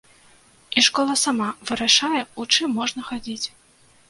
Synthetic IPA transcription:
iʂkɔlˠɐsamavɨɾaʂajɛut͡ʂɨmːɔʐnɐxad͡zʲit͡sʲ

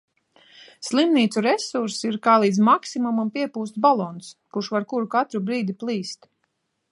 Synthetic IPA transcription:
slˠimniːt̪suɾɛsuɾsiɾkaːlˠiːd̪zmaksimumampiɛpuːst̪balˠɔnskuʃvaɾkuɾukat̪ɾubɾiːd̪iplˠiːst̪

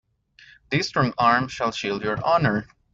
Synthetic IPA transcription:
d̪istɹɔ̃ŋaɹmʃalʃildjɔɹʔɑnəɹ

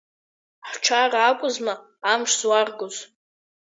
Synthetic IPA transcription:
ħʷʈ͡ʂʰaraːkʷʼʊzmaː | mʂzwarɡoz

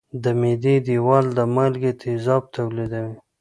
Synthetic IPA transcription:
d̪əmed̪ed̪iwɑld̪əmalɡet̪ʰɪzɑb̚t̪ʰawlid̪awi

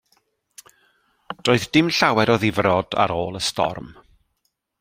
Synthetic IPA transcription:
d̥oːɨðd̥ɪmɬawɛɾɔðɪvrɔda̰ɾoːlˠəstɔ̰rm

